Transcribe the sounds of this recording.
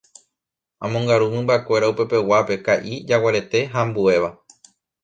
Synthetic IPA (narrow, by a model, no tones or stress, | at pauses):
ãmõŋɡaɾumɨ̃mbakʷe̞ɾaupe̞pe̞wape̞kaʔid͡ʒawaɾe̞t̪e̞ɦãmbue̞ʋa